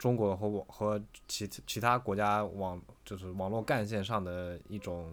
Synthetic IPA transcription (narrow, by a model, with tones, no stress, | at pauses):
ʈ͡ʂʊ˥ŋkwɔ˧˥xɤ˧˥˧xɤ˧˥t͡ɕʰi˧˥t͡ɕʰi˧˥t̪ʰa˥kwɔ˧˥t͡ɕja˥wɑ˨˩ŋt͡ɕjo˥˧ʊʂɻ̩˥˩wɑ˨˩ŋlwɔ˥˧ka˥˧nɕ̬jɛ˥˧nʂɑ˥˩ŋd̪ə˩i˥˩ʈ͡ʂʊ˨˩˦ŋ